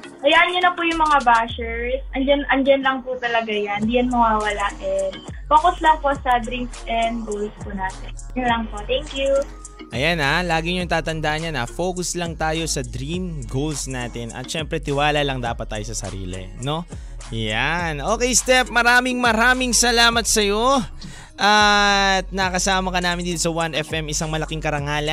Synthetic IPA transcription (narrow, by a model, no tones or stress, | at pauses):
kɐjaːʔɐnɲonɐpujʊŋmɐŋabaːʃɛɹsʔɐnd͡ʒɐnʔɐnd͡ʒɐnlɐŋput̪ɐlɐɡajand̪ijɐnmɐwaːwɐlaːʔɛnboːkoslɐŋpo̞sɐd̪ɾiŋksʔɛnd̪̚ɡolspʊnaːt̪ɛnjɐnlɐŋpot̪ɛŋkju | ʔɐjanalaːɡɪɲoŋt̪aːt̪ɐnd̪aːʔɐnjanafoːkʊslɐŋt̪aːjo̞sɐd̪ɾimɡolsnaːt̪ɪnʔɐ̰t̪ʃɛmpɾɛt̪ɪwaːlɐlɐŋd̪aːpɐt̪̚ːaːjosɐsɐ̰ɾḭːlɪ̰no̞ | janʔo̞ːkɛjst̪ɛp̚mɐɾaːmɪŋmɐɾaːmɪŋsɐlaːmɐt̪̚sɐjo̞ | ʔat̪̚nɐkɐsaːmɐkɐnaːmɪnd̪iːt̪osɐwanɛfʔɛmɪsaŋmɐlɐkɪŋkɐɾɐŋaːlɐ